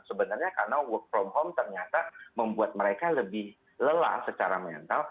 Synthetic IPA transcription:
səbənarɲakarnawɔfɾɔmhɔmt̪ərɲat̪aməmbuat̪̚məɾekaləbɪh | ləla̰sət͡ʃaɾamɛ̰nt̪al

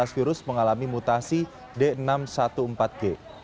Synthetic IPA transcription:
asfiɾʊsməŋalamimut̪asi | denamsat̪uəmpat̪̚ɡ̥e

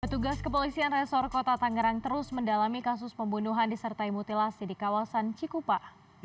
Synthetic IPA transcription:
pət̪uɡaskəpolisianrɛsɔrkot̪at̪aŋɡəɾaŋt̪əɾʊsməndalamikasʊspəmbunuɦandisərt̪aimɔt̪ilasidikawasant͡ʃikupa

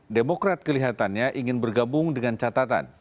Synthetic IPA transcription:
demokɾat̪̚kəliɦat̪anɲaʔiŋɪnbərɡabʊŋdəŋant͡ʃat̪at̪a̰n

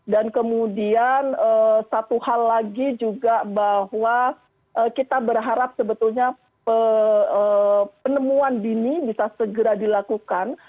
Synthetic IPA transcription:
dankəmudianəsat̪uhalːaɡid͡ʒuɡabahwa | ʔəːkit̪abərɦaɾap̚səbət̪ulɲa | pəəpənəmuandinibisasəɡəɾadilakukan

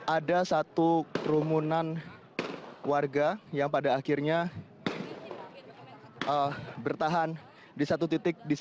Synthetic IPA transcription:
ʔadasat̪ukɾumunan | warɡajaŋpadaːkirɲa | əbərt̪aɦan | disat̪ut̪it̪ɪk̚dis

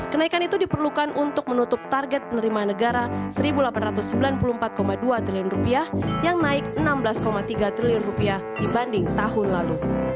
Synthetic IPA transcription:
kənaikanit̪udipərlukanʔunt̪ʊk̚mənut̪ʊp̚t̪arɡɛt̪̚pənəɾimanəɡaɾasəɾibulapanrat̪ʊsːəmbilanpuluhmpat̪̚komaduat̪ɾiliʊnrupiahjaŋnaɪk̚ənamblaskomat̪iɡat̪ɾiliʊnrupiahdibandɪŋt̪aɦʊnlalu

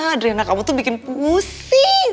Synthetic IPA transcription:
dɾianakamut̪ʊbikɪnpus | ɪ

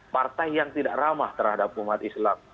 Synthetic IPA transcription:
part̪ajjaŋt̪idaʔramaht̪ərhadap̚umat̪islam

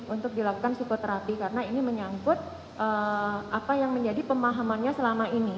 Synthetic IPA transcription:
unt̪ʊk̚dilakukansikot̪əɾapikaɾənainiməɲaŋkʊt̪̚ | ʔəapajaŋməɲd͡ʒadipəmaɦamanɲasəlamaini

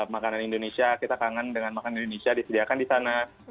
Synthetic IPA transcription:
makananindonesiakit̪akaŋandəŋanmakananindonesiadisədiakandisana

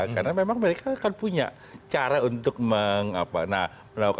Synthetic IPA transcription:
karnamemaŋməɾekaːkanpuɲa̰ʔ | t͡ʃaɾaunt̪ʊk̚məŋa̰pana | mənawk

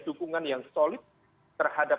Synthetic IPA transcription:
d̥ukuŋanjaŋsolɪt̪̚ː | ərhada

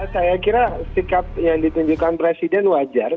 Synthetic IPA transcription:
sajakiɾasikap̚jaŋdit̪uɲd͡ʒukanpɾesidɛnwad͡ʒar

